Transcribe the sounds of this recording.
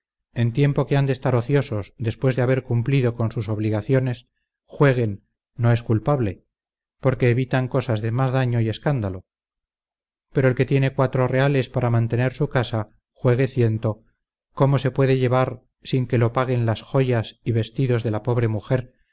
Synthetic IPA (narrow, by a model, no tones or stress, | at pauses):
e̞nt̪je̞mpo̞keand̪est̪aɾo̞θjoso̞zðe̞spwe̞zðeaβe̞ɾkumpliðo̞ko̞nsuso̞β̞liɣaθjo̞ne̞s | xwe̞ɣ̞e̞nː | o̞e̞skulpaβle̞ | po̞ɾke̞ːβit̪aŋko̞sazðe̞mazðaɲo̞ie̞skand̪alo̞ | pe̞ɾo̞e̞lke̞t̪je̞ne̞kwat̪ɾo̞re̞ale̞spaɾamãnt̪e̞ne̞ɾsukasa | xwe̞ɣ̞e̞θje̞nt̪o̞ | ko̞mo̞se̞pwe̞ðe̞ʝe̞β̞aɾ | siŋke̞lo̞paɣ̞e̞nlasxo̞ʝasiβe̞st̪iðo̞zðe̞lapo̞βɾe̞muxe̞ɾ